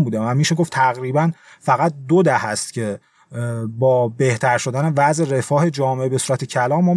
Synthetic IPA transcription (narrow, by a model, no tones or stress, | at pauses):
mbuːd̪evæmiʃeɡo̞ft̪ʰæɣɾibæn | fæɣæt̪̚d̪od̪æhæst̪̚cʰe̞ | bɒːbe̞ht̪ʰæɾʃo̞d̪æne̞væze̞ɾefɒːhe̞d͡ʒɒːmeebe̞suːɾæt̪ʰecʰælɒːmːɒː